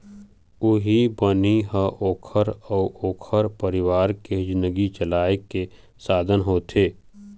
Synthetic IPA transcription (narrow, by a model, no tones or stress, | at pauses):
ʊɦibəniɦəʔoːkʰəɾəːoːkʰəɾpəɾɪwaːɾked͡ʒnəɡit͡ʃəlaːeke | saːd̪ʱənɦoːt̪ʰeː